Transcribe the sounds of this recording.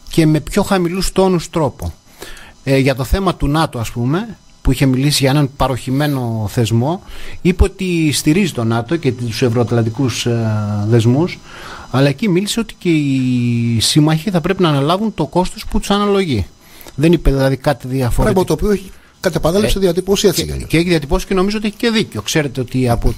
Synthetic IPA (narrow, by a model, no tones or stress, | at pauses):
ce̞me̞pço̞xɐmilust̪o̞nust̪ɾo̞po | ʝɐt̪o̞θe̞mɐt̪unɐt̪oɐspume̞ | puiçe̞milisiʝɐenɐnpɐɾo̞çime̞no̞θe̞zmo̞ipeot̪ist̪iɾizit̪o̞nɐt̪o̞ce̞t̪t̪u̥se̞vɾoɐt̪lɐnd̪ikusðe̞zmus | ɐlɐecimilise̞o̞t̪i̥ce̞i | simɐçiθɐpɾe̞pinɐːnɐlɐvunt̪o̞ko̞st̪o̞sput̪u̥sɐnɐlo̞ʝi | ðe̞nipeðilɐðikɐt̪iðiɐfoɾɐɣmɐt̪opioeçi | kɐt̪epɐðelseðiɐt̪iposieɐ̰ceeçiðiɐt̪ipo̞sisce̞no̞mizot̪ieçi̥ce̞ðico̞kse̞ɾe̞t̪eot̪iɐpo